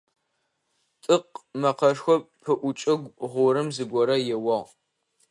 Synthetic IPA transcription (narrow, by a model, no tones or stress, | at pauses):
tʼɨqmɐqɐʂxʷɔp̚pʰɨʔʷʊt͡ʃʼɪɡʷʁʷʊɾɨmzɨɡʷɔɾɐjɛwɐʁ